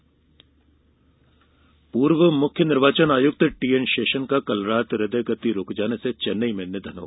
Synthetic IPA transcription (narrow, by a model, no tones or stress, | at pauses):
puːɾʋəmʊkʰːjənɪɾʋaːt͡ʃənaːjʊk̚t̪ʈiːensʃeːʃənkakɐlɾaːt̪ɾɪd̪əjɡɐt̪iɾoːkd͡ʒaːneset͡ʃɐnːəimenːed̪ʱɐnɦo̰ː